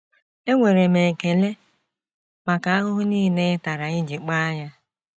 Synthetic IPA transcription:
e˦ŋʷe˨ɾe˨me˨ŋ̩˨ke˨le˦ | ma˨ka˨a˦ɦʊ˦ɦʊ˦niː˦i˨ne˦ɪ˦ta˨ɾa˨ɪ˦d͡ʒi˨k͡pa˦a˦ɲa˦

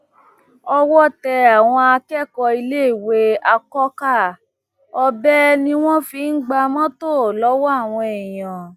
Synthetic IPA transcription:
ɔ˧wɔ˦tɛ˧a˨w̃ɔ̃˧a˧kɛ˦˨kɔ˧i˧le˦i˦˨we˦a˧kɔ˦ka˦˨ | ɔ˧bɛ˦nĩ˦w̃ɔ̃˦fi˧˦n̩˦ɡ͡ba˧mɔ̃˦to˦˨lɔ˦wɔ˦a˦˨w̃ɔ̃˧ɛ˨jã˨

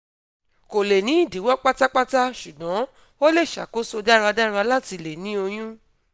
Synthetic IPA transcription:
ko˨le˨nĩ˨˦i˦˨di˨˦wɔ˦k͡pa˦ta˦k͡pa˦ta˦ʃu˨ɡɔ̃˨˦ | o˦le˦˨ʃa̰˨ko˦so˦da˦ɾa˧da˦˧ɾa˧˦la˦ti˧le˨nĩ˨˦o˧j̃ũ˦

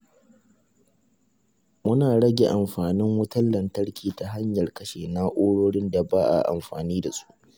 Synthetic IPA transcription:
mʊ˦naː˨ɽɐ˦ɡʲe˨ʔa˨mɸaː˨nɪ˦ŋwʊ˦tɐ˦lːɐ˨ntɐ˦ɽkʲʰiː˨ta˨ɦa˦ɲjɐ˨rkɐ˦ʃeː˨na˦ʔoː˦ɽoː˦ɽɪ˦nda˨baː˦ʔa̰˨ʔa̰˨mɸaː˨niː˦da˨sʼu̥˦ʔ

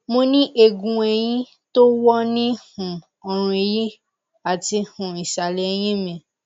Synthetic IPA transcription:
mo˧nĩ˦ʔe˨ɡũ˨ɛ˨j̃ĩ˦ | to˦wɔ˦nĩ˦hũ˨ | ɔ˨ɾ̃ũ˧e˨ji˦ | a˨ti˧hũ˨i˨ʃa˨lɛ˨˧j̃ĩ˦mĩ˨

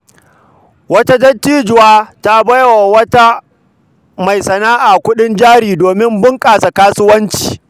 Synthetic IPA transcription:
wɐ˦ta˦d͡ʒɐ˦tːiː˦d͡ʒʊ˨waː˦ta˦bɐ˦jwa˨wɐ˦ta˦ | ma˨jsɐ˨naː˦ʔaː˨kʷʊ˦ɗɪ˦nd͡ʒaː˦ɽiː˨doː˨mɪ˦mbʊ˦ŋkʼaː˨sa˨kaː˦sʊ˦wɐ˦nt͡ʃi̥ː˨

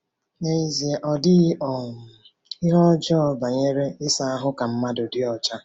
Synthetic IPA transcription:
ne˨i˨zi˨e˨ʔɔ˨dɪ˦ɔ˨ | ɪ˦ɾɔ˦d͡ʒɔ˦˨ba˨ɲe˦ɾe˦ɪ˦sa˦a˦ɦʊ˦ka˨m̩˦ma˦dʊ˨dɪ˦ɔ˨t͡ʃa˦

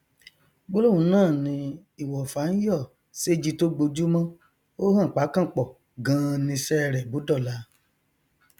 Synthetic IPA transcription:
ɡ͡bo˦lo˦˨ũ˨˧˦nãː˦˨nĩ˧ | i˦˨wɔ˨fa˨˦n̩˦jɔ˦˨ | se˦d͡ʒi˧to˦ɡ͡bo˧d͡ʒu˦mã˦ | o˦hã˦˨k͡pa˨˦kã˦˨k͡pɔ˨ | ɡã˨˦˧nĩ˧sɛ˦˨ɾɛ˨bu˨˦dɔ˦˨la˧˦

